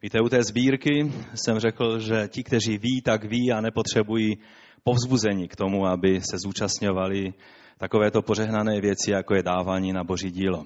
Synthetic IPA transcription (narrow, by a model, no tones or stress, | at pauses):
viːt̪ɛut̪ɛːzbiːɾkɪsɛmrɛkl̩ʒɛcɪkt̪ɛriːviːt̪aɡviːanɛpo̞t̪r̝̥ɛbujiː | po̞vzbuzɛɲiːkt̪o̞muabɪsɛzuːt͡ʃast̪ɲo̞valɪ | t̪ako̞vɛːt̪o̞poʒɛɦnanɛːvjɛt͡sɪjakojɛdaːvaːɲiːnabo̞ʒiːɟiːlo